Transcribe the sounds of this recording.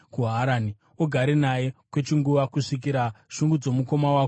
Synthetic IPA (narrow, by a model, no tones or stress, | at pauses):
kuɦaɾaːni | oɡʱaɾenaje̞kwe̞t͡ʃiŋɡuʋakuʂik̬iɾaʃuŋɡud͡zo̞muko̞mawako